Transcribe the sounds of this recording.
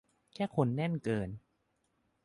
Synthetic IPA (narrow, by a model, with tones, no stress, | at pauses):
kʰɛː˥˩kʰo˧nːɛ˥˩nkɤː˧n